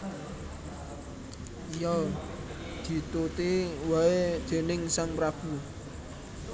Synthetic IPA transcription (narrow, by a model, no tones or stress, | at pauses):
jɔ | d̪̥i̤t̪ut̪iwaed̪̥e̤nɪŋsaŋpɾab̥ṳ